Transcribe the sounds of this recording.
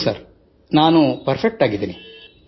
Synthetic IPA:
sɐɾ | naːnupɐɾpʰek̚ʈaːɡid̪iːni

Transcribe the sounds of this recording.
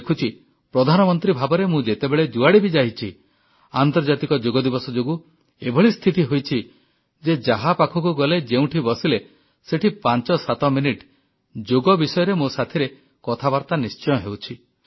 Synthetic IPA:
kʰut͡ʃʰi | pɾɔd̪ʱanɔmɔnt̪ɾibʱabɔɾemũd͡ʒet̪ebeɭed͡ʒuaɽibid͡ʒaɦit͡ʃʰi | ant̪ɔɾd͡ʒat̪ikɔd͡ʒoɡɔd̪ibɔsɔd͡ʒoɡu | ebʱɔɭist̪ʰit̪iɦojt͡ʃʰi | d͡ʒed͡ʒaɦapakʰɔkuɡɔled͡ʒeũʈʰibɔsile | seʈʰipant͡ʃɔsat̪ɔminiʈ | d͡ʒoɡɔbisɔjɔɾemosat̪ʰiɾe | kɔt̪ʰabaɾt̪anist͡ʃɔj̃ɔɦewt͡ʃʰi

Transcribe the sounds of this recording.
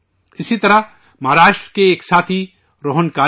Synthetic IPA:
ɪsit̪ɐɾɐ | mɐɦaɾaːʃʈɾəkeːksaːt̪ʰi | ɾoːɦənkaː

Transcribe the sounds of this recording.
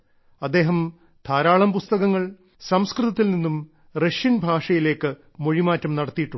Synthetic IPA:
ɐd̪ːe̞ːɦɐm | t̪ʰaːɾaːɭɐmpust̪ɐɣɐŋːɐɭ | sɐmskrɨðɐt̪ːilninːum | reʂjɐnbʱaːʂɐjile̞ːkːɨ | mo̞ɻimaːtːɐmnɐɽɐt̪ːijiʈːu

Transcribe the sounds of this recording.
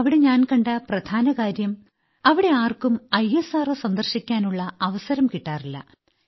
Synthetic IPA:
ɐʋiɽe̞ɲaːnkɐɳɖɐprɐd̪ʱaːnɐkaːɾjɐm | ɐʋiɽe̞aːrkumɐjesaːrɨsɐnd̪ɐrɕikʲːaːnuɭːɐɐʋɐsɐɾɐmkiʈːaːrilːɐ̰

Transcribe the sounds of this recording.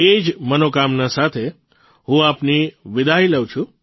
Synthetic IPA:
ed͡ʒmənokamnasat̪ʰe | ɦũapniʋɪd̪ʱailəwt͡ʃʰũ

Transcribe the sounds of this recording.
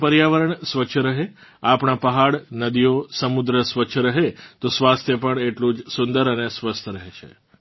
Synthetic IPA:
pəɾjaʋəɾəɳsʋət͡ʃʰəɾəɦeapɳ̃apəɦaɽnəd̪ijosəmud̪ɾəsʋət͡ʃʰəɾəɦet̪osʋast̪ʰjəpəɳeʈlũd͡ʒsund̪əɾənesʋəst̪ʰəɾəɦet͡ʃʰḛ

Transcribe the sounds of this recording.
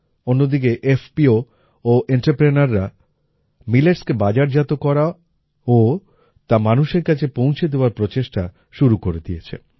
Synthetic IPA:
onːod̪ik̬eʔefpio | oʔeɳʈapɾenaɾːa | mileɾskebad͡ʑaɾd͡ʑat̪okɔɾa | o | t̪amanuʃeɾkat͡ɕʰepõw̃t͡ɕʰed̪eoaɾpɾot͡ɕeʃʈa | ʃuɾukoɾed̪ijet͡ɕʰḛ

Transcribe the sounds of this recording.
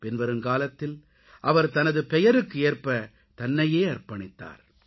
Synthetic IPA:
pɪnʋɐɾɯmkaːlɐt̪ːɪl | ʔɐʋɐɾt̪ɐnɐðɯpɛjɐɾɯkːɯeːrpɐ | t̪ɐnːɐjeːɐrpɐɳɪt̪ːa̰ːɾ

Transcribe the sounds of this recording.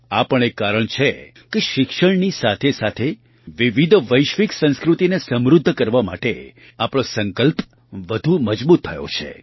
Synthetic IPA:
a̰pəɳekaɾəɳt͡ʃʰe | keʃɪkʃəɳnisat̪ʰesat̪ʰe | ʋiʋid̪ʱʋəjʃʋiksə̃nskɾut̪inesəmɾʊd̪ʱːəkəɾʋama̰ʈe | apɽ̃osəŋkəlp | ʋəd̪ʱuməd͡ʒbut̪ʰːəjo̰t͡ʃʰḛ

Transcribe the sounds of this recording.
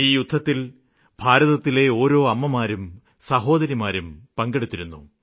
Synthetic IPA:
iːjud̪ʱːɐt̪ːil | bʱaːɾɐðɐt̪ːile̞o̞ːɾo̞ːɐmːɐmaːɾum | sɐɦo̞ːd̪ɐɾjimaːɾumpɐŋɡeɽut̪ːiɾunːṵ

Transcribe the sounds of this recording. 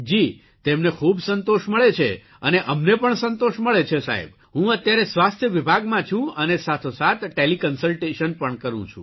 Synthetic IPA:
d͡ʒi | t̪emnekʰubsənt̪oʃməɭet͡ʃʰḛ | əneʔəmnepəɳsənt̪oʃməɭet͡ʃʰesa̰ɦḭb | ɦũət̪jaɾesʋast̪ʰjəʋibʱaɡmãt͡ʃʰũənesat̪ʰosat̪ʈelikənsəlʈeʃənpəɳkəɾṵ̃t͡ʃʰṵ̃

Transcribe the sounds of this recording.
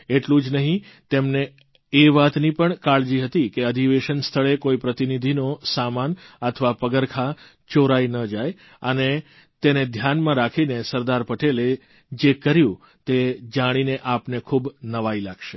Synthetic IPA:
eʈlũd͡ʒnəɦĩ | t̪emneː | ʋat̪nipəɳkaɭd͡ʒiɦət̪ikeəd̪ʱiʋeʃənst̪ʰəɭekoipɾət̪inid̪ʱinosamanət̪ʰʋapəɡəɾkʰa | t͡ʃoɾajnəd͡ʒaj | əne | t̪ened̪ʱjanmãɾakʰinesəɾd̪aɾpəʈele | d͡ʒekəɾjũ | t̪ed͡ʒaɽ̃ineʔapnekʰubnəʋailaɡʃe

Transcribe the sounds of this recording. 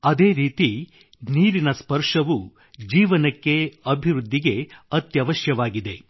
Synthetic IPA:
ɐd̪eːɾiːt̪i | niːɾinɐspɐɾʂɐʋu | d͡ʒiːʋɐnɐkːe̞ɐbʱiɾud̪ʱːiɡe̞ɐt̪jɐʋɐʃjɐʋaːɡid̪e̞

